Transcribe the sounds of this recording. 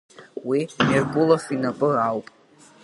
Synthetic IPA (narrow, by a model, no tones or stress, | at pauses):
wimirbʊlafinapʼɨrawpʼ